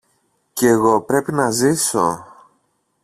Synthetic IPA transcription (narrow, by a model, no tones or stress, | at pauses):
ceːɣo̞pɾe̞pinɐziso̞̰